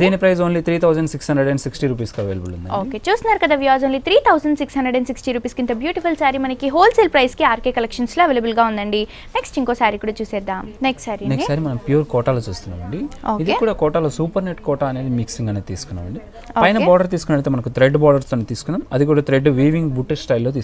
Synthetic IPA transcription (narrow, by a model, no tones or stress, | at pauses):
d̪iːnipɾɐjzoːnlit̪ʰɾiːt̪ʰɐwzɐɳɖsikshɐndɾeɖeɳɖsiksʈiɾuːpiːskiɐʋeːlɐbulṵnd̪ɐ̰oːke̞ːt͡ʃuːst̪unːaːɾukɐd̪aːʋjaːd͡ʒoːnlit̪ʰɾiːt̪ʰɐwsɐɳɖsikshɐnɳɖɾeɖeɖsiksʈiɾuːpiːskint̪ɐbjuːʈipʰulsaːɾimɐnɐkiɦoːlselpɾɐjskiaːɾkeːkɐlekʂɐnsloːɐʋeːlɐbulɡaːund̪ɐɳɖi | neksʈiŋkoːsaːɾikːuːɽaːt͡ʃuːsɛːd̪aːmneksʈsaːɾineksʈsaːɾimɐnɐmpijuːɾkɔːʈaːloːt͡ʃuːst̪unːa̰ːʋɐɳɖioːkid̪ikːuːɽaːkɔːʈaloːsuːpɐɾneʈ̚kɔːʈaːɐne̞ːd̪imiksiŋɡaːneːt̪iːsu̥kunːa̰ːʋɐɳɖi | opɐjnɐbɔːɖɐɾt̪̬iːsu̥kunɐɽit̪emɐnɐkut̪ɾeɖbɔːɖɐɾt̪oːneːt̪iːsu̥kunːaːmɐd̪ikuːɽaːt̪ɾeɖʋiːʋiŋɡbuʈessʈɐjlːoːt̪iːs